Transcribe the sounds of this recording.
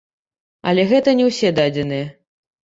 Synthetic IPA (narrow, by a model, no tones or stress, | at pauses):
ɐ̰lʲɛɣɛt̪ɐnʲɛwsʲɛd̪ad͡zʲɛnɨjɛ